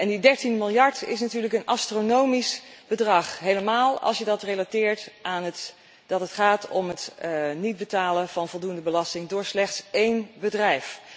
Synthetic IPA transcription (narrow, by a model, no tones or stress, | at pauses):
ʔɛndidɛɹtinmɪlˠjɑɹtɪ̰s̬natyːɹləkənʔɑstronowmisb̥ədrɑχɦejləmaːlˠɑ̰lˠsjədɑtrelatɪːɹtʔaːnət | d̥ɑtətχaːtɔmɦətnid̚bətaːlənv̥ɑnvɔlˠdundəbəlɑstɪŋdʊːɹslɛχtsejnbədrɛjf